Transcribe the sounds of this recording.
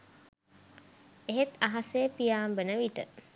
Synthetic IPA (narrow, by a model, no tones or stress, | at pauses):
eɦet̪aɦasepijaːmbənəʋiʈə